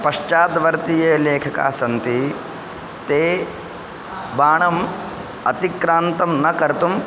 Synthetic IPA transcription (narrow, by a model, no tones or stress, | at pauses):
pɐʂt͡ʃaːd̪ʋɐɾt̪ijeːleːkʰɐka̰ːsɐnt̪i | t̪eː | baːɳɐm | ɐt̪ikɾaːnt̪ɐmnɐkɐɾt̪um